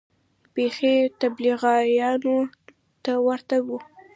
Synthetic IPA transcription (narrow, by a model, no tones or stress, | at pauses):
pexet̪abliɣɑjɑno | t̪awaɾt̪aɡu